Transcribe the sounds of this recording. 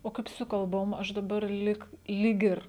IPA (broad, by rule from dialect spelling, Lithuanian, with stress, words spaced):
oː ˈkɐɪp sʊ kɐlˠˈboːm ˈɐʃ dɐˈbɐr ˈlʲiːk lʲiːk ˈɪr